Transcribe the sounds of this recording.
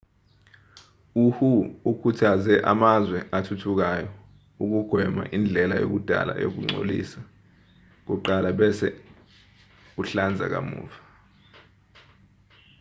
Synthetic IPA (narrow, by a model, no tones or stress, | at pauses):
uhuukʰutʰazɛʔamazwɛʔatʰutʰuk̬ajɔ | uk̬uɡ̥ʱwɛma̰ʔind͡ɮʱɛlajo̰k̬ud̥ʱa̰la̰jok̬uŋ͡ǀʱo̰lḭsa | k̬uǃalaɓɛsɛ | uɬand͡zʱa̰k̬a̰mṵːva